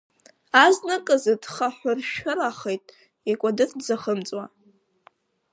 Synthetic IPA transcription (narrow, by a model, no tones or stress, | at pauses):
aznɨkʼɨzɨdχaħʷʊrʃᶣaɾaχejtʼ | ikʷʼadɨrd͡zaχəmt͡sʼwa